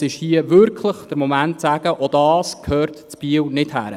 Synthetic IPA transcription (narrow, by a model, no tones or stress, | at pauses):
sɪʃhiəʋʏɾkʰləχd̥əɾmɔmæntsæːɡ̥əʔɔd̥̪ɑːskʰhøːrtt͡spiəwnɪthæ̰ːɾə